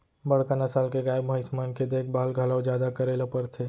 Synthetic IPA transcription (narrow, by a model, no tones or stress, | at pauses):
bɐɽ̤kanɐsaːlkeɡaːjbməɪsmaːnked̪eːkʰbaːlɡʱalaːwd͡ʒjaːd̪akɐɾeːlapəɾt̪ʰeː